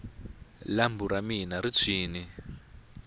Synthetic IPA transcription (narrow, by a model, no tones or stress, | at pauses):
lambuɾaminaɾit͡sʰiːni